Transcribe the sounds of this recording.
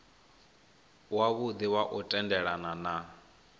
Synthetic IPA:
waβud̪iwaʔɔtʼɛndɛɺanana

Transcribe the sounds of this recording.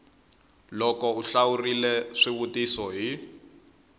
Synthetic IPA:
lɔkɔuɬawurilɛʂiβutisɔɦi

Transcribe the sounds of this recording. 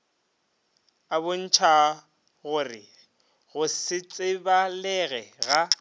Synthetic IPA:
abʊn̩t͡ʃʰa | ɣʊrɪ | ɣʊsɪt͡sʼɪbalɛɣɛɣa

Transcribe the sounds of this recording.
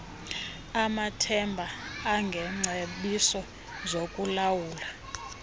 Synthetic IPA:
amatʰɛmbʱaːŋɡʱɛŋ͡ǀʱeɓisɔ | zokʼulawuːla

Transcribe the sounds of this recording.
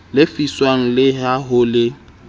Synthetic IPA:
lɪfiswaŋ̩lɪɦaɦʊlɪ

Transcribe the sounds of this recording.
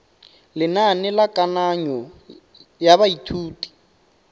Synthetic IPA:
lɪnanɪlakʼanaɲɔ | jaβaitʰuːtʼi̥

